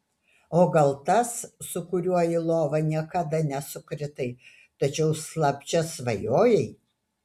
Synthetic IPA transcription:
oːɡɐlˠt̪ɐsːʊkʊɾʲuɔjɪlˠoːʋɐnʲiɛkɐd̪ɐnʲɛsʊkɾʲɪt̪ɐɪ | t̪ɐt͡ʃʲɛʊslˠɐpʲt͡ʃʲɛsʋɐjoːjɛɪ

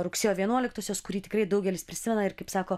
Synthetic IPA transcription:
ɾʊksʲeːjoːʋʲiɛnuɔlʲɪkt̪oːsʲoːskʊɾʲiːt̪ʲɪ̥kɾɐɪd̪ɐʊɡʲɛlʲɪspʲɾʲɪsʲɪmʲɛnɐɪɾkɐɪpsɑːkoː

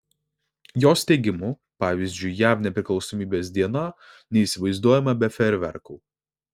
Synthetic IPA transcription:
joːsʲt̪ʲɛɪɡʲɪmu | pɑːʋʲiːzʲd͡ʒʲʊɪjæːʋnʲɛpʲɾʲɪklˠɒʊsɔmʲiːbʲeːsd̪ʲiɛnɐ | nʲɛiːˑsʲɪʋɐɪzd̪uɔjɛmɐbʲɛfʲɛɾʲʋʲɛ̰ɾkuː

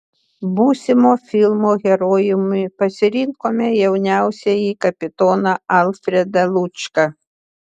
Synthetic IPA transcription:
buːsʲɪmoːfʲɪlˠmoːɣʲɛɾoːjɪmɪpɐsʲɪɾʲɪŋkoːmʲɛjɛʊnʲæˑʊsʲɛjiːkɐpʲɪt̪ɔːnɐɐlˠfʲɾʲɛd̪ɐlˠʊt͡ʃkɐ

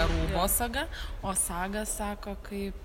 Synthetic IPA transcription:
ɐɾuːboːsɐɡɐoːsɑːɡɐssɑːkoːkɐɪp

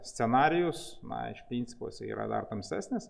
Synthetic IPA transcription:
sʲt̪ʲɛnɑːɾʲɪjʊsnɐ̰ɪ̰ʃpʲɾʲiːnʲsʲɪ̥po̰ːsʲɛḭːɾɐ̰d̪ɐ̰rt̪ɐmʲsʲt̪ʲæsʲnʲɪs

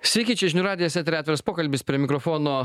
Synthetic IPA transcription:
sʲʋʲɛkʲiːt͡ʃʲɛʒʲɪnʲuːɾɑːd̪ʲɪjɛsʲɛt̪ʲɾʲæt̪ʲɛɾɐspoːkɐlʲbʲɪspʲɾʲiɛmʲɪkɾɔfoːnoː

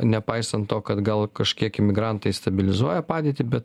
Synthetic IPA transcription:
nʲɛpɐɪsɐnt̪t̪oːkɐt̪ɡɐlˠkɐʃʲkʲiɛkɪmʲɪɡɾɑnt̪ɐɪst̪ɐbʲɪlʲɪzuɔjɛpɑːd̪ʲeːt̪ʲɪbʲɛt̪

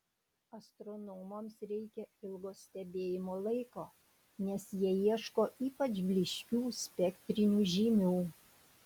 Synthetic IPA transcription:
ɐst̪ɾɔnɔʊmomsɾʲɛɪkʲɛɪlˠɡoːssʲt̪ʲɛbʲeːjɪmoːlˠɐɪkoː | nʲɛsjiɛjiɛʃkoːʔiːpɐt͡ʃbʲlʲɪʃʲkʲuːsʲpʲɛkʲt̪ʲɾʲɪnʲuːʒʲiːmʲuː

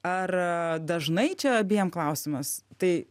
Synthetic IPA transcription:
ɐrd̪ɐʒnɐɪt͡ʃʲɛɐbʲijɛmklˠɐʊsʲɪmɐst̪ɐɪ

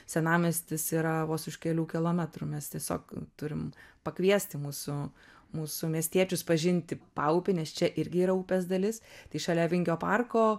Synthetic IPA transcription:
sʲɛnɑːmʲɪsʲt̪ʲɪsiːɾɐʋoːsʊʃkʲɛlʲuːkʲɪlˠoːmʲɛt̪ɾʊmʲɛst̪ʲiɛsʲo̰ːkt̪ʊɾʲɪmpɐkʋʲiɛsʲt̪ʲɪmuːsʊmuːsʊmʲiɛsʲt̪ʲiɛt͡ʃʲʊspɐʒʲɪnʲt̪ʲɪpɑːʊpʲɪnʲɛst͡ʃʲɛʔɪɾʲɡʲɪiːɾɐuːpʲɛːsd̪ɐlʲɪst̪ɐɪʃɐlʲɛːʋʲɪŋʲkʲoːpɑrkoː

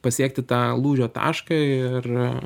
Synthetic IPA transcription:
pɐsʲiɛk̚t̪ʲɪt̪ɑːlˠuːʒʲoːt̪ɑ̰ːʃkɐɪɪr

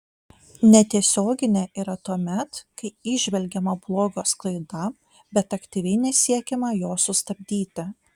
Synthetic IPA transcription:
nʲɛt̪ʲiɛsʲoːɡʲɪnʲeʔiːɾɐt̪uɔmʲɛt̪kɐɪɪʒʲʋʲɛlʲɡʲɛmɐblˠoːɡoːsklˠɐɪd̪ɐ | bʲɛt̪ɐkt̪ʲiʋʲɛɪnʲɛsʲiɛkʲɛmɐjoːsʊst̪ɐbʲd̪ʲiːt̪ʲɪ

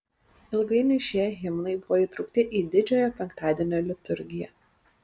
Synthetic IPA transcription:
ɪlˠɡɐɪnʲʊʃʲiɛɣʲɪmnɐɪbʊʋoːiːˑt̪ɾʊːk̚t̪ʲɪʔiːd̪ʲɪd͡ʒʲoːjoːpʲɛŋkt̪ɑːd̪ʲiɛnʲoːlʲɪt̪ʊɾʲɡʲɪjɛ

